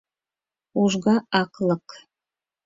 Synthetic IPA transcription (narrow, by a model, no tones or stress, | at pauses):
uʒɣɑɑklˠɤk